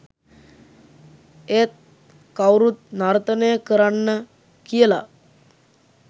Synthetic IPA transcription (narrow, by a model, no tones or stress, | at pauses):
et̪̚ | kawɾuːt̪̚naɾt̪ənejkəɾaɳːə | kiela̰